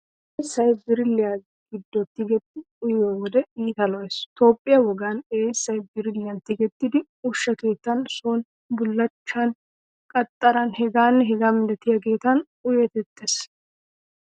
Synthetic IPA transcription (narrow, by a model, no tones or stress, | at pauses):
ʔʔeːsːɐjbɪɾɪlːɪja | ɡɪd̪ːɔt̪ːɪɡɛt̪ːɪ | ʊjowɔd̪ɛiːt̪ɐlɔjɛst̪o̞ːpʼːɪjɐwɔɡɐneːsːɐjbɪɾɪlːɪjɐnt̪ːɪɡɛt̪ːɪd̪ɪ | ʊʃːɐke̞ːt̪ːɐnsoːn | bʊlːɐt͡ʃːɐn | kʼɐt̪ʼːɐɾɐnhɛɡaːnːɛɦɪɡamɪd̪ɛt̪ɪjɐke̞ːt̪ːɐn | ʊjɛt̪ɛt̪ːes